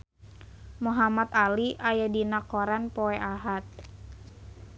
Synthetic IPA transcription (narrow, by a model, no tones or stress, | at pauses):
muɦamat̪aliʔajadinakɔɾanpɔɛʔaɦat̪̚